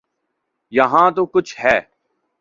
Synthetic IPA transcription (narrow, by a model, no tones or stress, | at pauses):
jɐɦãːt̪oːkʊt͡ʃʰɦɛː